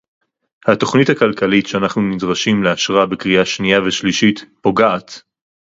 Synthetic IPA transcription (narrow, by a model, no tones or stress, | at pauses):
hato̞χnithakalkalitʃeanaχnunidʁaʃimleaʃʁabekʁiaʃnijaveʃliʃitpo̞ɡaʔat